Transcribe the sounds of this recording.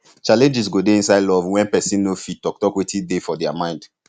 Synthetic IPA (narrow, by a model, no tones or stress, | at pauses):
t͡ʃalɛ̃nd͡ʒɛs̬ɡodeĩnsaɪdlɔvwɛ̃npɛsĩnːofit̚tɔk̚tɔkwetʰidefɔdɛamãɪ̃nd̥